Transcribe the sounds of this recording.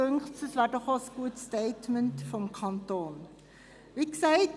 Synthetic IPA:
øŋχtsəsʋaːdɔχɑsɡ̥uətsteɪtməntfɔmkʰɑntoːn | ʋiksɛɪt

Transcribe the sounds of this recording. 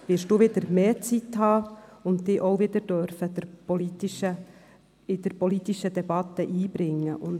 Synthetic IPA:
ʋɪɾʃd̥uːʋɪdəɾmeːt͡sit̪hɑːʊntd̪ɪːʔoʊvɪd̪əɾd̥œɾfəd̥̪əɾpɔlit̪iʃə | ɪd̥̪əɾpɔlit̪iʃəd̥̪ɛbɑt̪əʔiːb̥ɾɪŋːəʔʊn

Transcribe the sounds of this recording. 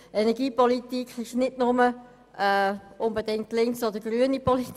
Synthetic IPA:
ɛnɛɡiːpɔlit̪ikχɪʃnɪdnʊmə | ʔɛʔʊnbedɪŋk̚tlɪŋsɔd̪əɡ̥ɾyənipɔlit

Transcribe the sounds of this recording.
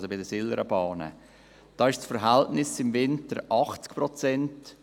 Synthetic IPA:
sobɪdəsɪləɾəbɑːnə̰ | d̥ɑːɪʃsfəɾɦɛltnɪsɪmvɪntəɾʔɑχt͡skpɾɔt͡sɛnt

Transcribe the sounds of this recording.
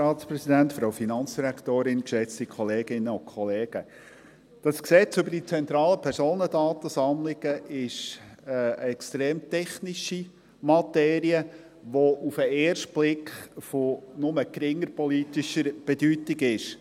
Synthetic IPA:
ɑːtt͡spɾɛsidæntfɾɑwfinɑnt͡sd̥iɾækt̪oːɾɪnkʃɛt͡stikʰɔleːɡ̥ɪnːəʊnkʰɔleːɡ̥ə | d̥ɑsksɛt͡sʏbəɾd̥it͡sɛnt̪ɾɑːləpʰɛɾsoːnədɑːt̪əsɑmlɪɡ̥əʔɪʃəəɛkstɾeːmtɛχniʃi | mɑtɛːɾiə | ʋɔʔufəeːɾʃtb̥lɪkχfonʊməkɾɪŋːəɾpɔliːt̪iʃəɾb̥ɛdytɪɡɪʃ

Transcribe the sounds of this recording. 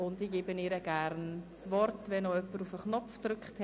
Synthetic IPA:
ʊndiɡ̥eːbəneɾəɡ̥æɾnt͡svɔrtvɛnoœpːəɾufəχnɔpfd̪̥ɾʏkχt

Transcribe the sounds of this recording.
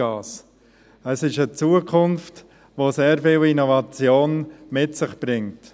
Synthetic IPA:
ɑːs | əsɪʃət͡suːəkʰʊnft | ʋoseːɾfiːlinɔvɑt͡sjoːnmɪtsɪχb̥ɾɪŋt

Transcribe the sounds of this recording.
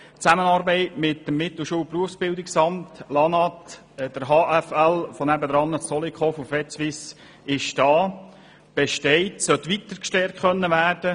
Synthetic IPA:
t͡sæmənɑɾbɛɪtmɪtːəmːɪt̪l̩ʃuːlpruəfsb̥ɪldɪksɑmtlɑnɑt | d̥əɾɦɑːʔæfælfonæbəd̪ɾɑnːət͡sɔlikχɔfufɛt͡sʋɪs | ɪʃd̥ɑː | b̥eʃtɛɪtsœt̪ʋit̪əɾkʃtɛɾtχœnːəʋæːrd̥ə

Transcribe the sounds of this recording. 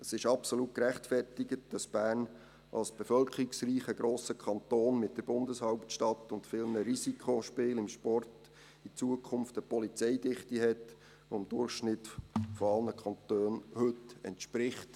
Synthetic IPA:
əsɪʃɑpsolut̚kɾæχtfɛrtɪɡət̚d̥ɑsb̥æːrn | ʔɑ̰lsb̥ɛfœlkəɾiksriːχəɡɾoːsəkʰɑnt̪oːnmɪt̚d̥əɾbʊndəshɑʊptʃtɑtːʊntfɪːlnəɾisikʰχoʃpɪːlɪmʃpɔrt | it͡suəkʰʊmftəpɔlit͡sɛɪdɪχtiɦɛt | ɔɪmd̥ʊrχʃnɪtfɔɑlnəkʰɑnt̪øːnhɵtɛ̰ntʃpɾɪχt

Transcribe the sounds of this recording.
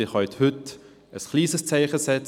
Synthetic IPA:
ɪχhœʏthʏt | əsχliːsəst͡saɪχəsɛt͡s

